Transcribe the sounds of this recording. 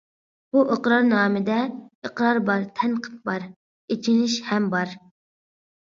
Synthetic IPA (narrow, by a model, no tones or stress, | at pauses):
b̥uʔəqɾɑɾnɑːmɨd̪ɛəqɾɑɾbɑɾt̪ʰɛnqʰə̥t̪̚bɑɾ | et͡ʃʰinɪʃhɛmbɑɾ